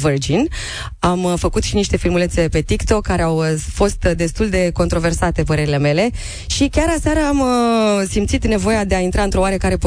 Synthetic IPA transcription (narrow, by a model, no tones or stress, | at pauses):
vɨrd͡ʒin | amfəkut̪ʃiniʃt̪e̞filmulese̞pe̞t̪ikt̪o̞kːaɾeawfo̞st̪d̪e̞st̪uld̪e̞ko̞nt̪ɾo̞ve̞rsat̪e̞pəɾe̞ɾile̞me̞le̞ | ʃikʲaɾasaɾəamsimt̪sit̪ne̞vo̞jad̪e̞aint̪ɾaɨnt̪ɾo̞waɾekaɾe̞p